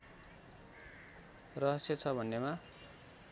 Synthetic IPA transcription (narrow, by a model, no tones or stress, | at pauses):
rʌɦʌsjʌt͡sʰʌbʱʌnːema